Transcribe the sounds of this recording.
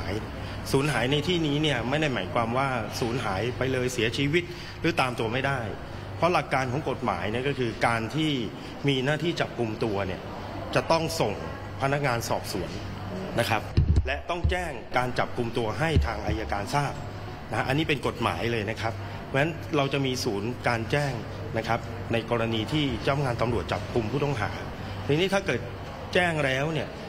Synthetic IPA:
j | suː˩˦nɦaː˩˦jna˧jt̪ʰiː˥˩niː˦˥ni˥˩ɐma˥˩jda˥˩jmaː˩˦jkʰwaː˧mwaː˥˩suː˩˦nɦaː˩˦jpa˧jlɤː˧jsi˩˦ɐt͡ɕʰiː˧wi˦˥t̪̚ | ɾɯː˩˦t̪aː˧mt̪u˧ɐma˥˩jdaː˥˩j | pʰɾɔ˦˥la˨˩kːaː˧nkʰɔː˩˦ŋko˨˩t̪̚ma̰ː˩˦jni˥˩kɔ˥˩kʰɯː˧kaː˧nt̪ʰiː˥˩ | miː˧naː˥˩t̪ʰiː˥˩t͡ɕa˨˩p̚ku˧mt̪u˧ɐni˥˩ɐ | t͡ɕa˨˩t̪ɔ˥˩ŋso˨˩ŋ | pʰa˧na˦˥k̚ŋaː˧nsɔː˨˩p̚su˨˩˦ənː | a˦˥kʰɾa˦˥p̚lɛ˦˥t̪ɔ˥˩ŋt͡ɕɛː˥˩ŋkaː˧nt͡ɕa˨˩p̚ku˧mt̪u˧ɐɦa˥˩jt̪ʰaː˧ŋʔa˧jːaː˧kaː˧nsaː˥˩p̚ | na˦˥a˦˥ʔa˧nːiː˦˥˩pe˧nko˨˩t̪̚ma̰ː˩˦jlɤː˧jna˦˥kʰa˦˥p̚ | mɛ˦˥n | ɾa˧wt͡ɕa˨˩miː˧suː˩˦nkaː˧nt͡ɕɛː˥˩ŋ | na˦˥kʰa˦˥p̚ | na˧jkɔː˧ɾa˧niː˧t̪ʰiː˥˩t͡ɕɔ˥˩mŋaː˧nt̪a˧mɾu˨˩ət̪̚t͡ɕa˨˩p̚ku˧mpʰuː˥˩t̪ɔ˥˩ŋɦa̰ː˩˦ | t̪ɯ˧ŋniː˦t̪ʰaː˥˩kɤː˨˩t̪̚ | t͡ɕɛː˥˩ŋlɛː˦˥wni˥˩ɐ

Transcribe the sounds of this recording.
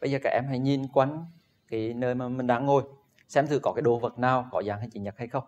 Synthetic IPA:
ɓə˧jzəː˨˩kaː˧˩ʔɛ˧mɦa̰˧˩jɲi˨˩nkwa˧˦jn | kaː˨˦jnəː˧jmaː˨˩mï˨˩ŋ̟ɗa̰ː˧˥ŋo˨˩j | sɛ˧mt̪ʰɨ˧˩kɔ˨˦kaː˨˦jɗo˧˦və˨˩t̚naː˨˩wkɔ˨˦zaː˨˩ŋha˧jt͡ɕi˨˦ɲə˨˩t̚ha˧jxə˧wŋ͡m

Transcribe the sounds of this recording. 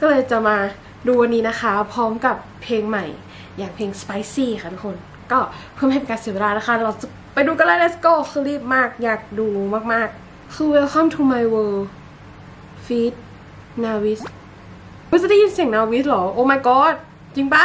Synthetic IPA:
kɔː˥˩lɤː˧jt͡ɕa˨˩maː˧ | duː˧wa˧nːiː˦˥na˦˥xʰa˦˥pʰɔː˦˥mka˨˩pʰːeː˧ŋma˨˩j | jaː˨˩ŋpʰeː˧ŋspa˧˦˥jsiː˧˩xʰa˧˩t̪ʰu˥kʰo˧n | kɔː˥˩pʰɯ˥˩˨ma˧˩pe˧˩kaː˧nsi˨˩˦we˧laː˧˩na˦˥kʰa˥˩lɾa˧˩t͡ɕa˨˩ | pa˧jduː˧ka˧laː˧˥˩na˧˩skoː˥˩xʰɯː˧ɾiː˥˩p̚maː˥˩k̚jaː˨˩k̚duː˧maː˥˩k̚maː˥˩k̚ | kʰɯː˧we˧lkʰɔ˧˥˨mt̪ʰuː˧ma˧jwɤː˧ | fi˦˥t̪̚ | naː˧wi˦˥s | kʰɯː˧˥t͡ɕa˨da˥˩ji˧˥˩nsi˨˩˦ŋnaː˧wi˦˥lɔː˨˦ʔoː˧ma˧jkɔː˧˥t̪̚ | t͡ɕi˧ŋba˧˩

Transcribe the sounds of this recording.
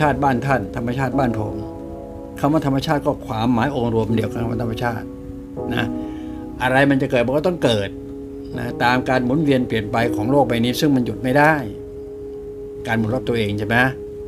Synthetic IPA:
aː˥˩t̪̚baː˥˩nt̪ʰa˥˩nt̪ʰa˧mːa˧t͡ɕʰaː˥˩t̪̚baː˥˩npʰo̰˨˩˦m | kʰa˧˩maː˧˥˩t̪ʰa˧ma˧t͡ɕʰaː˥˩t̪̚kɔː˥˩kʰwaː˧mːaː˨˦jʔoː˧ŋɾu˧əm˧di˧əka˧nka˧ma̰˧˥˩a˧ma˧t͡ɕʰaː˥˩t̪̚ | na̰˦˥ | ʔa˧ɾa˧jma˧nt͡ɕa˨˩kɤː˨˩t̪̚a˧kːt̪ɔ˥˩ŋkɤː˨˩t̪̚ | na̰˦˥t̪aː˧mkaː˧nmu˨˩˦nwi˧ənpli˨˩ənpa˧jkʰɔː˩˦ŋloː˥˩k̚ba˧jniː˦˥˩sɯ˥˩ŋma˧nju˨˩t̪̚ma˥˩jda˥˩j | kaː˧nmu˨˦t̚ka˧˩p̚t̪əʔeː˧ŋt͡ɕʰe˥˩ma˦˥

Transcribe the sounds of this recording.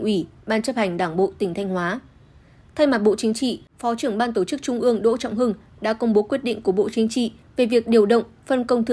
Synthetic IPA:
ʔwi˧˩ɓaː˧nt͡ɕə˦˥p̚ha˨˩jŋ̟ɗaː˧˩ŋɓo̰˧˨t̪ï˧˩ŋ̟t̪ʰa˧jŋ̟hwaː˨˦ | t̪ʰa˧jma˨˩t̚ɓo̰˧˨t͡ɕï˨˦ŋ̟t͡ɕḭ˧˨fɔ˨˦t͡ɕɨ˧˩əŋɓaː˧nt̪o˧˩t͡ɕɨ˦˥k̚t͡ɕʊ˧ŋ͡mʔɨ˧əŋɗo̰˧˥t͡ɕɔ̰˧˨wŋ͡mɦɨ˧ŋ | ɗa̰ː˧˥kə˧wŋ͡mɓo˨˦kwi˦˥ət̚ɗḭ̈˧˨ŋ̟ku˧˩əɓo̰˧˨t͡ɕi˨˦ŋ̟t͡ɕḭ˧˨ | ve˨˩vi˨˩ək̚ɗi˨˩əwɗə̰˧˨wŋ͡mfə˧nkə˧wŋ͡mt̪ɨ˧˨

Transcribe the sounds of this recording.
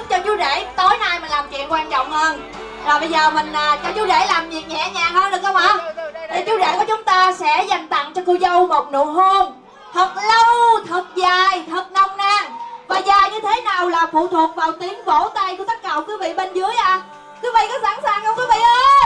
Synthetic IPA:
t̚t͡ɕɔ˧t͡ɕu˨˦ɗe˧˩t̪o˨˦jnaː˧jmï˨˩n̟laː˨˩mt͡ɕwḭ˧˨ənkwaː˧nt͡ɕɔ̰˧˨wŋ͡mhəː˧n | vaː˨˩ɓə˧jzəː˨˩mï˨˩ŋ̟laː˨˩t͡ɕɔ˨˦t͡ɕu˨˦ze˧˩laː˨˩mvi˨˩ət̚ɲɛ̰˧˨ɲaː˨˩həː˧nɗɨ˨˩k̚ɗə˧wŋ͡mʔa˨˦ɗ̪e˨˩t͡ɕu˨˦ɗḛ˧˩ku˨˩˦t͡ɕʊ˨˦ŋ͡mt̪aː˧sɛ̰˧˥za˨˩jŋ̟t̪a̰˧˨ŋt͡ɕɔ˧kɨ˧wzə˧wmo˨˩k͡p̚nṵ˧˨ɦo˧m | t̪ʰə˨˩t̚lə˧wt̪ʰɨ˨˩t̚zaː˨˩jt̪ʰə˨˩t̚nə˨˧˩wŋ͡mnaː˧˩ŋvaː˨˩zaː˨˩jɲɨ˧t̪ʰe˨˦naː˨˩wlaː˨˩fṵ˧˨t̪ʰwu˨˩ək̚vaː˨˩wt̪i˨˦əmvo˧˥t̪a˧jku˧˩˦t̪ə˦˥t̚kaː˧˩˨ŋ͡mkwi˨˦vḭ˧˨ɓe˧nzɨ˨˦˥əjʔaː˧˨ | t̪ʰɨ˨˦vḭ˧˨kɔ˨˦saː˧˥ŋsaː˨˩nkə˧wŋ͡mki˨˦vḭ˧˨ʔəː˧˦

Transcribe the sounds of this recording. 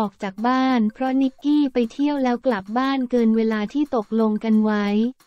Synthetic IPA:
ɔː˨˩k̚t͡ɕaː˨˩k̚baː˥˩npʰɾɔ˦˥ni˦˥kːiː˥˩pa˧jt̪ʰi˥˩əwlɛː˦˥wkla˨˩p̚baː˥˩nkɤː˧nweː˧laː˧t̪ʰiː˥˩t̪o˨˩k̚lo˧ŋka˧nwa˦˥j

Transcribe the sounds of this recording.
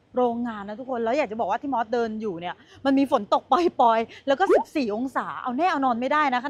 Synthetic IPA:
ɾoː˧ŋːaː˧nːa˦˥t̪ʰu˦˥kʰːo˧nlɛː˦˥ja˨˩k̚t͡ɕa˨˩bɔː˨˩kwaː˥˩t̪iː˥˩mɔː˦˥t̪̚dɤː˧njuː˨˩ni˥˩ɐ | ma˧nmiː˧fo˩˦nt̪o˨˩k̚pɔː˧jpɔː˧jlɛ˦˥wkɔː˥˩si˨˩p̚siː˨˩ʔo˧ŋsaː˩˦ʔa̰˧wnɛː˥˩ʔa˧wnɔː˧nma˥˩jdaː˥˩jna˦˥kʰa˥˩

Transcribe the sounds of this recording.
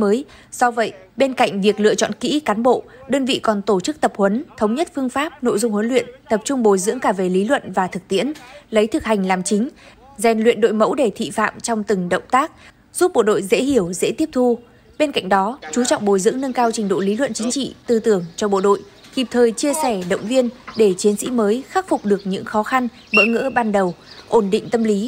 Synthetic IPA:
əː˨˦j | sɔ˧və̰˧˨j | ɓe˧nka̰˧˨jŋ̟vi˨˩ək̚lɨ̰˧˨ət͡ɕɔ̰˧˨nkḭ˧˥kaː˨˦nɓo̰˧˨ɗəː˧nvḭ˧˨kɔ˨˩nt̪o˧˩t͡ɕɨ˦˥k̚t̪ə˨˩p̚hwə˨˦nt̪ʰə˨˦wŋ͡mɲə˦˥t̚fɨ˧əŋfaː˦˥p̚no̰˧˨jzʊ˧ŋ͡mhwə˨˦nlwḭ˧˨ənt̪ə˨˩p̚t͡ɕʊ˧ŋ͡mɓo˨˩jzɨ̰˧˥əŋkaː˧˩ve˨˩li˨˦lwə̰˧˨nvaː˨˩t̪ʰɨ˨˩k̚t̪ḭ˧˥ənlə˨˦jt̪ʰɨ˨˩k̚ha˨˩ŋ̟laː˨˩mt͡ɕï˨˦ŋ̟ | zɛ˨˩nlwḭ˧˨ənɗo̰˧˨jmə̰˧˥wɗe˧˩t̪ʰḭ˧˨fa̰ː˧˨mt͡ɕɔ˧wŋ͡mt̪ɨ˨˩ŋɗə̰˧˨wŋ͡mt̪aː˦˥k̚ | z̥u˦˥p̚ɓo̰˧˨ɗo̰˧˨jzḛ˧˥hi˧˩əwzḛ˧˥t̪i˦˥əp̚t̪ʰu˧ | ɓe˧nka̰˧˨ŋ̟ɗɔ˨˦t͡ɕu˨˦t͡ɕɔ̰˧˨wŋ͡mɓo˨˩jzɨ̰˧˥əŋnə˧ŋkaː˧wt͡ɕï˨˩ŋ̟ɗo̰˧˨li˨˦lwə̰˧˨nt͡ɕï˨˦ŋ̟t͡ɕḭ˧˨t̪ɨ˧˩t̪ɨ˧˩əŋt͡ɕɔ˧ɓo̰˧˨ɗo̰˧˨j | ki˨˩p̚t̪ʰəː˨˩jt͡ɕi˧əsɛ˧˩ɗə̰˧˨wŋ͡mvi˧ənɗe˧˩t͡ɕi˨˦ənsḭ˧˥məː˨˦jxaː˦˥k̚fʊ˨˩k͡p̚ɗɨ˨˩ək̚ɲɨ̰˧˥ŋxɔ˨˦xa˧n | ɓə̰˧˥ŋə̰˧˥ɓaː˧nɗə˨˩wʔo˧˩nɗḭ̈˧˨ŋ̟t̪ə˧mli˨˦

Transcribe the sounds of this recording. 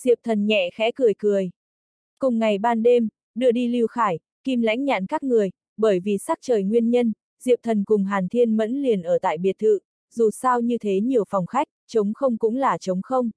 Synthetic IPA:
zḭ˧˨əw̚t̪ʰə˨˩nɲɛ̰˧˨xɛ̰˧˥kɨ˨˩əjkɨ˨˩əj | kʊ˨˩ŋ͡mŋa˨˩jɓaː˧nɗe˧m | ɗɨ˧əɗi˧li˧wxaː˧˩j | ki˧˩mla̰˧˥jŋ̟ɲa̰ː˧˨nkaː˦˥k̚ŋɨ˨˩əj | ɓəː˧˩jvi˨˩sa˦˥t̚t͡ɕəː˨˩jŋwi˧ənɲə˧n | zḭ˧˨əw̚t̪ʰə˨˩nkʊ˨˩ŋ͡mɦaː˨˩nt̪ʰi˧ənmə̰˧˥nli˨˩ənʔəː˧˩t̪a̰ː˧˨jɓi˨˩ət̚t̪ʰɨ̰˧˨ | zu˨˩saː˧wɲɨ˧t̪ʰe˨˦ɲi˨˩əwfɔ˨˩wŋ͡mxa˦˥k̚t͡ɕə˨˦wŋ͡mxə˧wŋ͡mkʊ̰˧˥ŋ͡mlaː˨˩t͡ɕə˨˦wŋ͡mxə˧wŋ͡m

